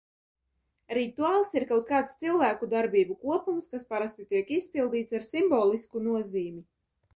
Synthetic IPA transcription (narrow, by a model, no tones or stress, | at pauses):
ɾit̪uaːlˠsiɾkawt̪̚kaːt̪st̪silˠvæːkud̪aɾbiːbukuɔpumskaspaɾast̪it̪iɛkispilˠd̪iːt̪saɾsimbɔːlˠiskunuɔziːmi